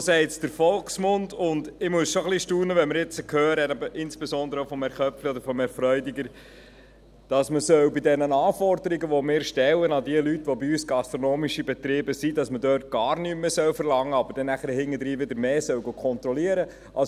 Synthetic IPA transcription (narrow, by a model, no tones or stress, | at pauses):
sɛɪtsd̥əɾfɔlksmʊndʊndɪmuəsʃoχliʃtuːnəʋɛnmɪɾɪt͡səkʰhøːɾɛtɑbəʔɪnsb̥esɔndəɾəəfɔmɛɾχœpfliɔd̪əɾfɔmɛɾfɾœʏdiɡəɾ | d̥ɑsməsœwbɪdɛnənɑːfɔɾdəɾiɡəʋomɪːɾʃtɛwənɑdiəlytːʋobiysɡ̥ɑst̪ɾɔnoːmiʃibɛt̪ɾɪːbəsidɑsmədøːɾt̚ɡ̥ɑːɾnymːəsœwfəɾlɑŋːəɑbəɾd̥ɛnæχəɾəhɪŋːəd̪ɾiːʋɪdəɾmeːsœwɡokʰɔnt̪ɾɔliəɾə | ʔɑ